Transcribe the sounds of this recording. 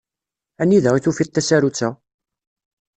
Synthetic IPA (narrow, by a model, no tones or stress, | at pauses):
ænːiðəʁiθufit̪ːæsæɾut͡sːæ